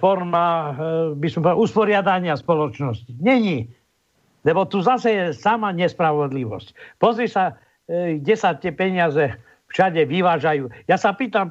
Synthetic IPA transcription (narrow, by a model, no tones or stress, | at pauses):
fɔɾma | bisɔmpɔauspɔɾɪad̪aɲɪaspɔlɔt͡ʃnɔsciɲɛɲi | lɛbɔt̪uzasɛjɛsamaɲɛspɾaʋɔd̪liʋɔ̰scpɔzɾisa | ɡɟɛsat̪ɪɛpɛɲɪazɛ | fʃaɟɛʋiʋaːʒajuːjasapiːt̪am